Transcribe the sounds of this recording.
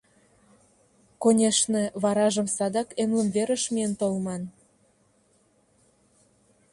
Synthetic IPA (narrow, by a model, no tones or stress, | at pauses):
konʲeʃnĕβɑɾɑʒə̆msɑd̪ɑkemlə̆mβeɾəʃmient̪olmɑn